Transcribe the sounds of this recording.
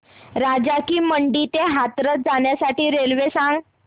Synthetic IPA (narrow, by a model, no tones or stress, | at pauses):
ɾad͡ʑakiːməɳɖit̪eɦat̪ɾət̪̚d͡zaɳjasaʈiːɾelʋesãŋɡ